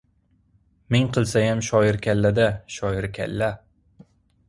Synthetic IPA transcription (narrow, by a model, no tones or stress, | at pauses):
meŋqʰɨlˠsajamʃɒjɪɾkʲʰalːad̪aʃɒjɪɾkʲʰa̰lːa